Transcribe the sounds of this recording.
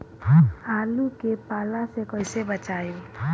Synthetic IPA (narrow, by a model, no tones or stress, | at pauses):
aːlukepaːlasekɔɪsebət͡ʃaːjo